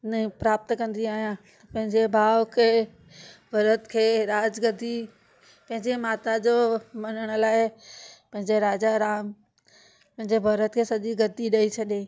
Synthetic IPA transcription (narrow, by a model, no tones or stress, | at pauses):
nəpɾaːp̚t̪kɐ̃nd̪iaːɦijã | pɐ̃ɦɪ̃ɲd͡ʑebʱaːʋkʰeː | bʱɐɾət̪kʰeːɾaːd͡ʑɡɐd̪ʱi | pɐ̃ɦɪ̃ɲd͡ʑemaːt̪ad͡ʑoːmɐnəɽ̃ə̆laːɪpɐ̃ɦɪ̃ɲd͡ʑeɾaːd͡ʑaɾaːm | pɐ̃ɦɪ̃ɲd͡ʑebʱɐɾət̪kʰeːsɐʄiɡɐd̪ʱiɗɐit͡ɕʰɐɗe